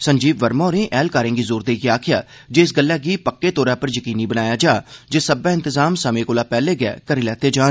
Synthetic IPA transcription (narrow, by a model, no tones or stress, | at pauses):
səɲd͡ʒiːʋʋəɾmõːɾẽːʔɛːlkaːɾẽːŋɡiːzoːɾd̪eːɡiaːkʰɪjaː | d͡ʒeːɪsɡəlːɛːɡiːpəkːeːt̪oːɾãːpəɾjəkiːniːbənaːjaːd͡ʒaːd͡ʒeːsəbɛ̃ːɪ̃nt̪əzaːmsəmẽːkoːlaːpɛːleːɡɛ̰ːkəɾiːlɛːt̪eːd͡ʒaːn